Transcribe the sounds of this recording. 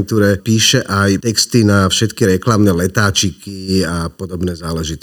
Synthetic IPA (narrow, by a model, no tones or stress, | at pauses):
nt̪uːɾɛpiːʃɛʔajt̪ɛkst̪inafʃɛt̪kiɾɛklamnɛːlɛt̪aːt͡ʃikiapɔd̪ɔbnɛːzaːlɛʒit̪